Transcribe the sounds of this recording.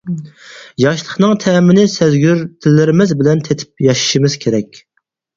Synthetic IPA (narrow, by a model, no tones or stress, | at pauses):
jɑʃlˠəχnɨŋt̪ʰɛmɪnɪsæzɡʲyɾt̪ʰɪlːɪɾɪmɪzbɪlɛnt̪ʰet̪ʰɪ̥p̚jɑʃi̥ʃimɪz̥kʲʰeɾɛkʲ